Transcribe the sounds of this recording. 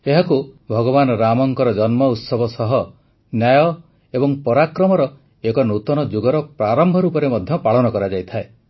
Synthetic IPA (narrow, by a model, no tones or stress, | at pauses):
eɦakubʱɔɡɔβanɔɾamɔŋkɔɾɔd͡ʒɔnmɔut̪sɔbʱɔsɔɦɔ | njajɔ | ebɔŋpɔɾakɾɔmɔɾɔ | ekɔnut̪ɔnɔd͡ʒuɡɔɾɔpɾaɾɔmbʱɔɾuːpɔɾemɔd̪ʱjɔpaɭɔnɔkɔɾad͡ʒajt̪ʰae